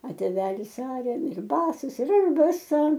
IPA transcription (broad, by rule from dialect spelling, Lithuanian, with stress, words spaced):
ɐ tʲeːˈʋʲæːlʲɪs ˈɑːrʲɛ ɪr ˈbɑːsɐs ɪr ˈɐʃ bɐˈsɐ